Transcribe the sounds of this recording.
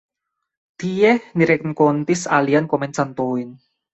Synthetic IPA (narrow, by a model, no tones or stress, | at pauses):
t̪ijɛhniɾɛk̚nkont̪isaliankɔmɛnsant̪oin